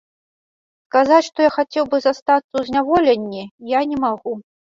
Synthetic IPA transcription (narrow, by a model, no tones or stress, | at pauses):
skazat͡sʲʂt̪ɔjaxat͡sʲɛwbɨzast̪at̪sːɐwzʲnʲavɔlʲɛnʲːijanʲɛmaɣu